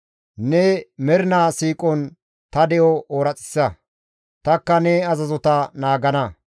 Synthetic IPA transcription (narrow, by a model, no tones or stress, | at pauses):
nɛmɛɾɪnaːsiːkʼɔn | t̪ɐd̪ɛjɔʔoːɾɐt͡sʼɪ̥sːɐ | t̪ɐkːɐnɛɐzɐzɔt̪ɐnaːɡɐnɐ